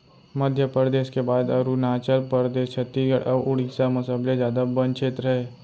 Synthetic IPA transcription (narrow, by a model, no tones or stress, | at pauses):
məd̪ʱjəpəɾd̪eːʃkebaːd̪ɐɾunaːt͡ʃəlpəɾd̪eːʃt͡ʃʰɐt̪ːiɡəɽəɾʊɽisamɐsəblezjaːd̪abənt͡ʃʰet̪ɾɐɦeː